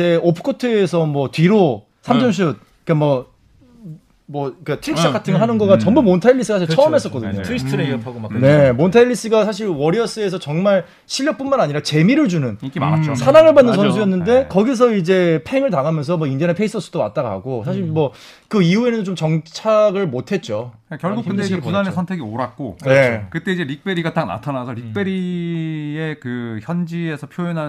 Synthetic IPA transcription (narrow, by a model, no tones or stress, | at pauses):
e̞opʰɯ̥kʰotʰɯːsʰʌmwʌtɥiɾo | sʰamt͡ɕʰʌmɕ̬ʰut̚ | ik͈amwʌ | mwʌik͈atʰɯɾikɕ͈ʰɯk͈atʰɯŋɭɦanɯnɡʌɡat͡ɕʌmbumontʰaiʎːis͈ɯasʰaɕ̬ʰiɭt͡ɕʰʌʌmɦe̞s͈ʌk͈ʌdɯɲotʰpʰaɡone̞montʰaiʎːis͈ɯɡasʰaɕ̬ʰiɭwʌɾiʌs͈ɯe̞s̬ʰʌt͡ɕʌŋmaɭ | ɕʰiʎːʌk̚p͈unmanaɲiɾat͡ɕe̞miɾɯɭd͡ʑunɯnsʰanaŋɯɭbanːɯnsʰʌns̬ʰujʌnːɯnde̞kʌɡis̬ʰʌid͡ʑe̞pʰe̞ŋɯɭtaɡamjʌns̬ʰʌmwʌind͡ʑʌnepʰe̞is͈ʰʌs͈ud̥owa̰t̚t͈aɡaɦa̰ɡosʰaɕ̬ʰiɭmwʌ | kɯiue̞nɯnt͡ɕomt͡ɕʌŋt͡ɕʰaɡɯɭmotʰe̞t̚t͡ɕ͈o | akjʌɭɡukkɯteepudanesʰʌntʰe̞ɡioɾak̚k͈one̞kɯt͈eid͡ʑe̞ɾik̚p͈e̞ɾiɡatana̰tʰanasʰʌɾik̚p͈e̞ɾi | e̞kɯçjʌnd͡ʑie̞sʰʌpʰjoonɦan